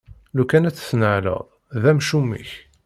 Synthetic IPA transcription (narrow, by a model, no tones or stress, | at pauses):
lukænæt͡sːsnəʕlə̰ðˤ | ðæmʃumːḭç